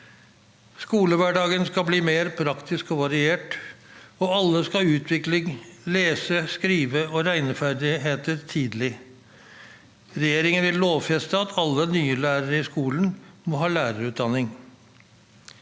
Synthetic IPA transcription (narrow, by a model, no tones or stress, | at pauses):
skuːləʋæɖɑːɡənskɑbliːmeːɾpʰɾɑkt̪ʰɪskɔʋɑɾɪeːʈ | ɔɑlːəskɑʉːt̪ʰʋɪklɪŋleːsəskɾiːʋəɔɾæɪnəfæɾɖ̪ɪɦeːt̪əɾt̪ʰiːd̪lɪ | ɾɛjeːɾɪŋənʋɪlloːʋfɛst̪əɑt̪ʰɑlːənyːəlæːɾəɾəɪskuːlən̩mɔɦɑːlæːɾəɾʉːt̪̚d̪ɑnːɪŋ